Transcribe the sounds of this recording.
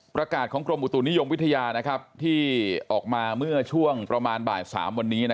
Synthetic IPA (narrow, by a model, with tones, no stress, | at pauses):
pɾa˧kaː˨˩t̪̚kʰɔː˩˦ŋkɾo˧mʔu˨˩t̪uː˨˩ni˦˥jo˧mwi˦˥t̪ʰa˧jaː˧na˦˥kʰa˦˥p̚t̪ʰiː˥˩ʔɔː˨˩k̚maː˧mɯ˥˩ɐt͡ɕʰu˥˩əŋpɾa˧maː˧nbaː˨˩sa̰ː˩˦mwa˧nːiː˦˥na˦˥